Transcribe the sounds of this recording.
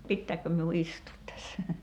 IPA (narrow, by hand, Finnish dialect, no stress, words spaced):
pitːæːkːø miu istuːt tæsːæ